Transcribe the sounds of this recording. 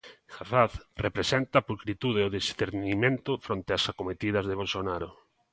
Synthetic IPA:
xafaθrepɾesent̪apulkɾit̪uðeoðisθeɾnimẽnt̪ʊfɾont̪easakomet̪ið̞ɐzðeβ̞olsonaɾʊ̰

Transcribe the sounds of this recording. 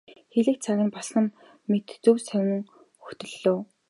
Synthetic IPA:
xeɮɘ̆k̪̚t͡sʰaɣʲɪ̆npɔsə̆n | met̪t͡sɵwsæwʲɘ̆ŋ | xɵxt̪ɘ̆ɮːoː

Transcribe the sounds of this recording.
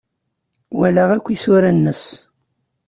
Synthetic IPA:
wælaʁækʷːisʊɾænːəs

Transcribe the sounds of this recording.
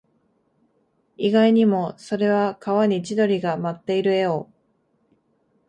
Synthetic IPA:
iɡaiɲ̟imo̞so̞ɾe̞βakaβaɲ̟it͡ɕid̪o̞ɾʲiɡamat̪ːe̞iɾɯ̟e̞o

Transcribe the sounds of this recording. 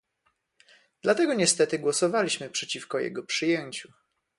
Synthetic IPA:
d̪̥lat̪ɛɡɔɲɛst̪ɛt̪ɘɡwɔsɔvalʲiɕmɘpʂɛt͡ɕifkɔjɛ̰ɡɔpʂɘjɛɲt͡ɕu

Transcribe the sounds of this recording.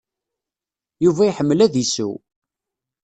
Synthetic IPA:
juvæjħəmːəlæðisṵ

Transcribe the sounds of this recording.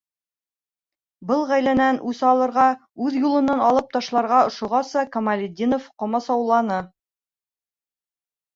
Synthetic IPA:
bɤlˠʁæjlænænʔʉsɑlˠɤ̆ɾʁɑʉðjulˠɤ̆nɑnɑlˠɤp̚t̪ɑʃlˠɑɾʁɑŏʃŏʁɑsɑkomalʲɪd̪ʲinofqŏmɑsɑwlˠɑnɤ

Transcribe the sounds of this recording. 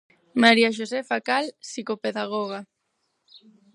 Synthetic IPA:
maɾiaʃ̬osɛfakalsikopeðaɣ̞oɣ̞a

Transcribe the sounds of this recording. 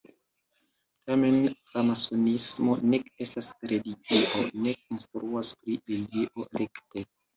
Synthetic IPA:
tame̞nfɾamasonismo̞ne̞ke̞stasɾe̞liɡiʔo̞̰ne̞k̚instɾuaspɾiɾeɡiʔo̞ɾekte̞

